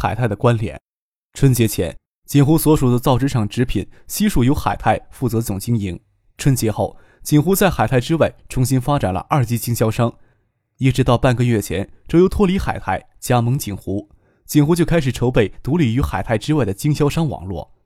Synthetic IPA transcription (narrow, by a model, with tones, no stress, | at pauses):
xa˨˩ɪa˥˩ɪə˩kwa˥nljɛ̰˨˩˦n | ʈ͡ʂʰwə˥nt͡ɕjɛ˧˥t͡ɕʰjɛ̰˧˥n | t͡ɕi˨˩nxu˧˥swɔ˧˥ʂu˨˩d̪ə˦t͡sɑ˥˩ʊʈ͡ʂɻ̩˥ʂɑ˨˩ŋʈ͡ʂɻ̩˧˥pʰḭ˨˩˦nɕi˥ʂu˥˩jo˧˥ʊxa̰˨˩ɪt̪ʰa˥˩ɪfu˥˩t͡sɤ˧˥t͡sʊ˨˩ŋt͡ɕi˥ŋi˧˥ŋ | ʈ͡ʂʰwə˥nt͡ɕjɛ˧˥xo˥˩ʊ | t͡ɕi˨˩nxu˧˥t͡sa˥˩ɪxa˨˩ɪt̪ʰa˥˩ɪʈ͡ʂɻ̩˥wa˥˩ɪʈ͡ʂʰʊ˧˥ŋɕi˥nfa˥ʈ͡ʂa˨˩nlə̰˦ʔa˞˥˩t͡ɕi˥t͡ɕi˥ŋɕjɑ˥ʊʂɑ˥ŋ | i˥˩ʈ͡ʂɻ̩˧˥t̪ɑ˥˧ʊpa˥˩nɡə˧ɥɛ˥˩t͡ɕʰjɛ̰˧˥nʈ͡ʂo˥˧ʊjo˧˥ʊt̪ʰwɔ˥˧li˧˥xa̰˨˩ɪt̪ʰa˥˩ɪt͡ɕja˥mɤ˧˥ŋt͡ɕi˨˩ŋxu˧˥ | t͡ɕi˨˩nxu˧˥t͡ɕjo˥˧ʊkʰa˥ɪʂɻ̩˨˩ʈ͡ʂʰo˧˥ʊpe˥˩ɪt̪u˧˥li˨˩y˧˥xa˨˩ɪt̪ʰa˥˩ɪʈ͡ʂɻ̩˥wa˥˩ɪd̪ə˩t͡ɕi˥ŋɕjɑ˥ʊʂɑ˥ŋwɑ̰˨˩ŋlwɔ̰˥˩